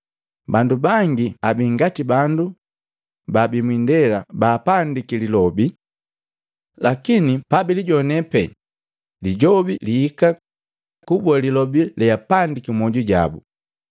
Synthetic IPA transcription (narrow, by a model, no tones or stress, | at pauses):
bandubaŋɡiabiŋɡatibandu | babimwindɛlabaːpandikililɔbi | lakinipabiliɟɔnɛpɛ | liɟɔbiliika | kubualilɔbilɛjapandikimɔɟuɟa̰bu